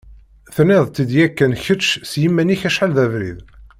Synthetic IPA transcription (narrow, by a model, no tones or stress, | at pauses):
θnːɪðˤt̪ːid̪jækːænçət͡ʃsjimːæniçæʃħalðævɾḭð